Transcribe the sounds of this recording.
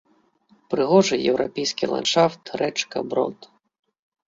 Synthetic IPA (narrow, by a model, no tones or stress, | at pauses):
pɾɨɣɔʐɨjɛ̰wɾʔɔ̰pʲɛjsʲkʲilˠa̰nʂaft̪rɛt͡ʂkɐ̰bɾɔ̰t̪